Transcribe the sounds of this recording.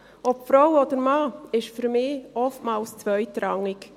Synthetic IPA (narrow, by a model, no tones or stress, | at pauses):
ɔpfɾawɔd̪əɾmɑːɪʃfyɾmɪːɔftmɑːlst͡svœjtɾɑŋːɪk